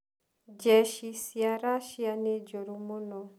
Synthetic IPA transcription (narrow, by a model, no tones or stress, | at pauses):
d͡ʒɛʃisjaɾaʃianed͡ʒoɾumonɔ